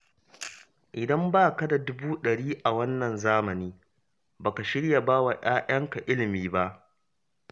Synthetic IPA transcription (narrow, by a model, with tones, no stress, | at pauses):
ʔɪ˨dɐ˦mbaː˦˨kɐ˦da˨dʊ˦buː˦ɗɐ˨ɽiː˦ʔa˨wɐ˦nːɐ˨nzaː˦mɐ˨niː˦ | baː˨ka˨ʃɪ˦ɽja˨baː˦wa˨ʔaː˦j̰ɐ˦ŋka˨ʔɪ˦lɪ˨miː˦ba˦ʔ